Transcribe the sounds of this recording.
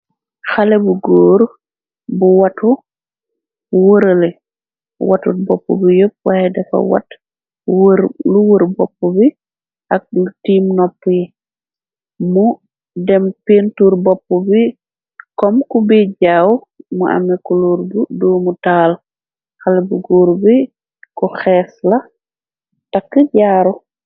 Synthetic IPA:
xalɛbuɡoːɾu | buwatu | wəɾəlɛ̰ | watṵt̚bɔpːɔ̰bijop̚wajɛdɛfa̰wa̰t | ɾluwəɾbɔpːɔbi | ʔak̚lutiːmnɔpːji | mu | dɛmpeːntuːɾbɔpːubi | kɔmkubiɟaːw | muʔa̰mikuluːɾbudoːmutaːl | xalbuɡuːɾbi | kɔxɛːslɐ | takːəɟaːɾu

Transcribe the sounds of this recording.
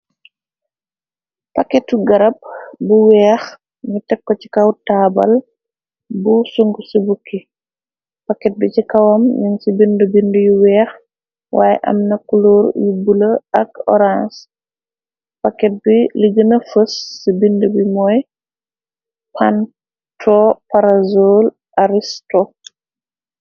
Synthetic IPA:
pakɛtːuɡɐɾɐb̚buwɛːx | ɲutɛkːɔci̥kɐwtaːbɐ̰l | busuŋɡusibukːi | pakːɛt̚bicikɐwɐmɲuŋsibindubindujuwɛːx | wa̰ːj̰ʔɐ̰mnɐkuloːɾjubuləɐkɔ̰ɾãns | pakːɛt̚biliɡənɐfəsːibindubimɔːj | pʰan | tʰopaɾazol | aɾistɔ

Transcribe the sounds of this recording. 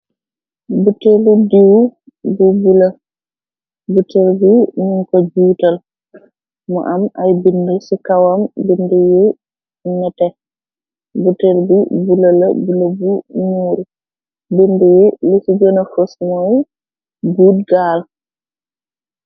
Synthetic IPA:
buteludiw | bubulə | butelbinuŋkɔd͡ʒuːtal | mɔ̰ʔamʔajbindusikawambinduji | nɛtɛ | butelbibulələ̰buləbunuːɾi | bindujilisid͡ʒɔnafosmɔj | ɡuːd̚ɡaːl

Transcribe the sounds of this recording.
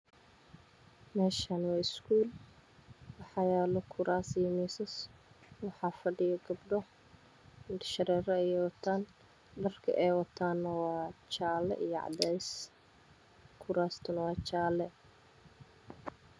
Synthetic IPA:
mɛːʃanwɑːɪskʰuːl | wɑħɑjɛːlɔkʰʊɾaːsijmiːsɐswɑħɑːfɐɖɪjɐɡɐbɖɔ | ʃɐɾɛːɾɐɛɛwɑt̪ʰaːn | b̪ɐrkʰɐ̰ʔɛjwɐt̪ʰaːnːɐwɑːt͡ʃaːlɛ̰ʔijɔʕɑ̰d̪ɛjs | kʰʊɾaːst̪ʰʊnɐwɑːt͡ʃaːlɛ

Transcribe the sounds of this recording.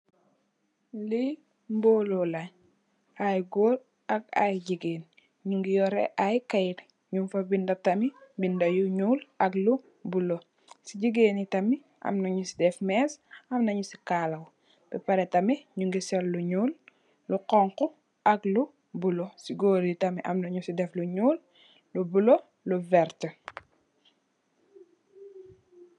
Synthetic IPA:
li | mboːlolɐɲ | ajɡoːɾ | ɐk̚a̰jɟiɡeːn | ɲuŋɡijɔɾɛ̰ʔajkɐjit | ɲumfɐbindɐp̚tɐmibindɐjuɲuːlɐklu | bulo | siɟiɡeːnitɐmi | ɐ̰mnɐɲusidɛfmɛːsɐmnɐɲusi̥kalɐw | b̥ɛpɐɾɛtɐmiɲuŋɡisɔlːuɲuːlː | uqɔŋku | ɐklu | bulɔsiɡoːɾjutɐmiʔɐ̰mnɐɲusidɛfluɲuːlː | ubulo | luvɛɾtə

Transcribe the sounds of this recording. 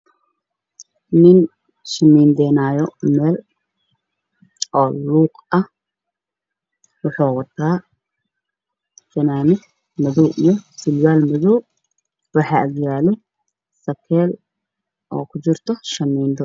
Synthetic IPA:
nɪn | ʃɐmiːnd̪ɛːnaːjɔmɛːl | ʔɔːluːqɐh | wʊħuːwɐt̪ʰaː | sɐnaːnɪ | mɐðɔwʔijɔsɪlwaːlmɔðɔw | wɑħɑːʔɐɡjaːlɔ | sɐkʰɛːl | ʔɔ̰ːkʰʊt͡ʃɪrt̪ʰɔʃɐmiːnd̪ɔ

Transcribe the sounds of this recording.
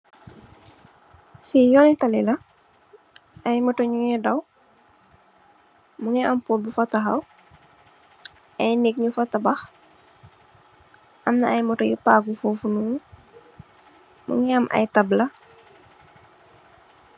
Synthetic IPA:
sijɔnitɐlilɐ | ʔɐjmɔtɔɲuŋɛdɐw | muŋɛʔɐmpoːlbufɐtɐxɐw | ʔɐjnɛk̚ɲufɐtɐbɐx | ʔɐmnɐɐjmɔtɔjupaɡufoːfunu | mṵŋɛɐmʔɐ̰jtɐblɐ

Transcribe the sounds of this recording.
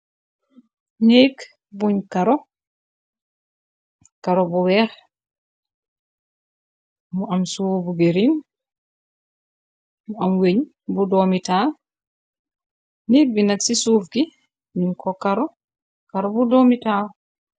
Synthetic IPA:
neɡ | buɲkaɾɔ | kaɾɔbɔwɛɾ | muamsubuɡeɾin | muamweɲ | budɔmital | nek̚binaksisufɡi | minkɔkaɾɔ | kaɾɔbudɔmita

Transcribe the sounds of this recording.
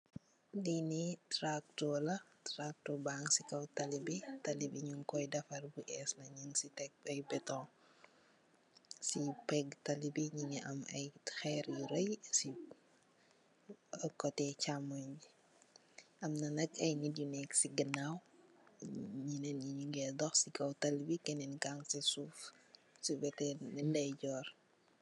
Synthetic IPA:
dinitɾak̚tɔlɐtɾak̚tɔbaŋsikɐwtɐlibitɐlibiɲuŋkɔjdɐfɐrbuʔɛslɐɲinsitɛk̚ɐjbɛtɔ̃ː | sipɛɡtɐlibiɲiɲiʔɐmɐjxɛɾjuɾɐjsi | kɔtɛt͡ʃamɔɲd͡ʒi | ɐmnɐnɐkɐjnidjunɛksiɡənaw | ɲinɛnɲiɲiŋɡɛdɔxsiɡɐwtɐlbikɛnɛnɡaŋsisuf | sibɛtɛnndɐjɟɔːr

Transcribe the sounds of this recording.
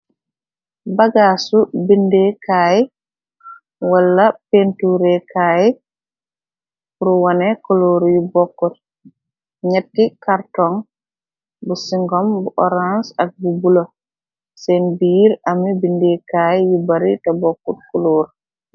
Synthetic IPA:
baɡaːsubindekʰaːj | walːapentuɾɛkaːji | uɾuwanɛkoloːɾjibɔkːut̚ | ɲɛtːikaɾtɔŋ | busiŋɡɔmbuʔɔɾansak̚bubulo | sɛnbiːɾamibindekaːjjibaɾitabɔkːut̚kuloːɾ

